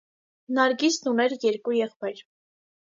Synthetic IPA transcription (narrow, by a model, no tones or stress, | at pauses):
nɑɾɡisnunɛɾjɛɾkujɛχpɑjɾ